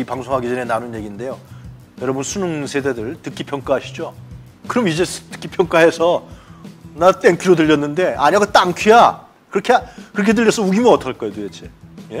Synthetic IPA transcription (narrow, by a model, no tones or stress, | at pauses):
ipaŋsʰoŋɦaɡid͡ʑʌnenanɯnje̞ɡinde̞jo | jʌɾʌbunsʰunuŋsʰe̞dedɯɭtɯk͈ipʰjʌŋk͈aɦaɕʰid͡ʑo | kɯɾʌmid͡ʑe̞stɯ̥k͈ipʰjʌŋk͈aɦe̞sʰʌ | nat͈eŋkʰiɾodɯʎːʌnːɯnde̞a̰ɲiaɡot͈aŋkʰija | kɯɾʌkʰekɯɾʌkʰe̞dɯʎːʌs͈ʰʌuɡimjʌnʌt͈ʌɭk͈ʌjodojet͡ɕʰeje̞